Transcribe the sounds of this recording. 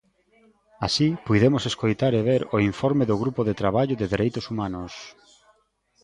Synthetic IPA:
asipujðemoseskojt̪aɾeβ̞eɾoiɱfɔɾmeðʊɣ̞ɾupoðet̪ɾaβaʎʊðɪðeɾʔejt̪ʊsumanʊs

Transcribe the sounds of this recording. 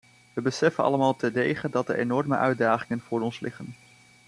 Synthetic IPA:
ʋəbəsɛfənɑ̰ləmaːlˠtʰədejχədɑt̚dəḛnɔrmə̰ʔœɥdaːχɪŋənv̥ʊːɹɔnslʔɪχən

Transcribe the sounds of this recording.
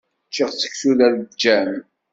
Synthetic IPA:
t͡ʃːiʁt͡sːə̥çsuðæld͡ʒːæn

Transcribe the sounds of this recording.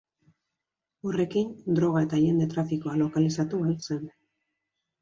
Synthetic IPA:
ore̞kind̪ɾo̞ɣ̞ae̞t̪aʝe̞nd̪e̞t̪ɾafiko̞alo̞kalisat̪ualse̞n

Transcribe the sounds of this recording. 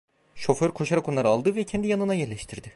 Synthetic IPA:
ʃo̞føɾkʰo̞ʃaɾako̞nlˠaɾɯalˠd̪ɯvɛcʰɛnd̪ijanɯnajɛɾlʲɛʃt̪ʰiɾd̪ɪ

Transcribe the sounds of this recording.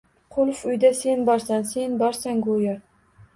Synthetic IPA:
qʰʊlˠfʊjd̪ase̞nbɒɾsansenbɒɾsaŋɡoja

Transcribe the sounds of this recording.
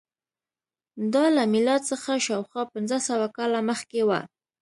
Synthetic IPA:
d̪ɑlamɪlɑt̪səxaʃawxwɑpɪnzasawakɑlaməxkewa̰

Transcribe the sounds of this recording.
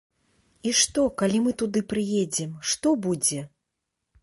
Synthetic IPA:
iʂt̪ɔkalʲimɨt̪ud̪ɨpɾɨjed͡zʲɛmʂt̪ɔbud͡zʲɛ

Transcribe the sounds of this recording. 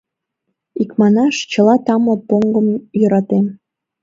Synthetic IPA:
ikmɑnɑʃt͡ɕə̆lɑt̪ɑmopoŋɡəmjəɾɑt̪em

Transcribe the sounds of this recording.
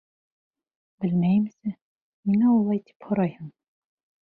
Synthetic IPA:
bɘ̆lmæjɘmsɘ | minæɔlˠɑjt̪ʰi̥phŏɾɑjɯm

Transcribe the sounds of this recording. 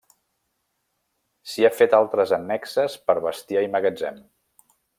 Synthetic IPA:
siafet̪alˠt̪ɾəzənːɛksəspəɾβəst̪iaiməɣəd͡zɛm

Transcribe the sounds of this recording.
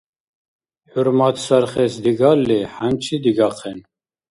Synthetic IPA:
ħuɾmɑt̪sæɾχɛsd̪iɡɑlːeħæmt͡ʃʰid̪iɡɑqʰɛn

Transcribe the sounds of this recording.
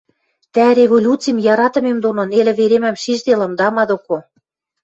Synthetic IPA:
t̪ærʲevolʲut͡sijmjɑɾɑt̪ɤ̆memd̪ononelɘ̆βeɾemæmʃiʒd̪elɤ̆md̪ɑmɑd̪oko

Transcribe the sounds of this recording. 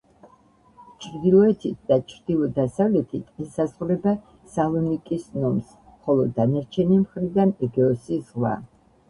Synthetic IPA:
t͡ʃʰɾd̪ilˠɔɛt̪ʰit̪̚ʰd̪at͡ʃʰɾd̪̥ilˠɔd̪asavlɛt̪ʰit̪ʰɛsazʁɾɛba | salˠɔnikʼisnɔms | χɔlˠɔd̪anaɾt͡ʃʰɛnimχɾid̪anɛɡɛɔsizʁwa̰

